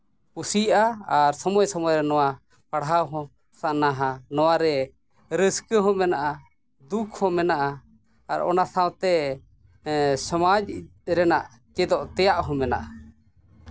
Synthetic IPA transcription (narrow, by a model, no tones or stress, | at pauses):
pusijʔaaɾsɔmɔjsɔmɔjɾɛnɔwa | paɽɦawɦɔ̃ | saʔnaɦanɔwaɾɛ | ɾəskəɦɔ̃mɛnaʔa | d̪ukʰhɔ̃mɛnaʔa | aɾɔ̰nasawt̪ɛ | sɔmad͡ʒɾɛnaʔ | t͡ʃɛd̪ɔʔt̪ɛjaʔɦɔ̃mɛna̰ʔa